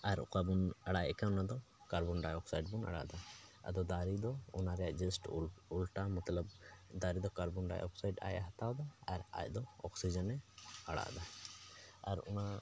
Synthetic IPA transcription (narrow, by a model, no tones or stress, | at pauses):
aɾɔ̰kabunaɽaʔɛkaɔnad̪ɔ | kaɾbɔnɖajɔksajɖbuna̰ɽa̰ʔd̪aa̰d̪ɔd̪aɾid̪ɔɔnaɾɛjaʔd͡ʒəsʈulʈamɔt̪ləb̚d̪aɾid̪ɔkaɾbɔnɖa̰jʔɔ̰ksajɖa̰jaɦat̪awd̪aːɾa̰jd̪ɔɔ̰ksid͡ʒɛnɛaɽa̰ʔd̪a | aɾɔna